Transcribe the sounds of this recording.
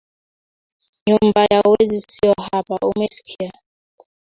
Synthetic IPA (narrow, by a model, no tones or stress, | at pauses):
ɲumbajauwɛzisiɔhapaʔumɛsi̥kʰia